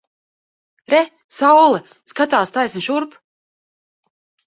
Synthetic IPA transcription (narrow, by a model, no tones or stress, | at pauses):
ɾɛ | sawlˠɛ | skat̪aːst̪ajsʲnʲʃuɾp